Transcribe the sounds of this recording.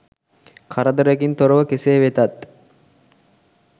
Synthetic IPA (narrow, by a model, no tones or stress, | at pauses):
kʰaɾəd̪əɾekint̪oɾəʋəkeseːʋet̪at̪